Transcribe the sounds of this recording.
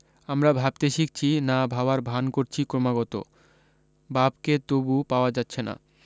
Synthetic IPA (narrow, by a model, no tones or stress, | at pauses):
amɾabʱab̚t̪eʃik̚t͡ɕʰinabʱaoaɾbʱankoɾt͡ɕʰikɾomaɡɔt̪o̰ | babket̪obupaoad͡ʑatːɕʰena̰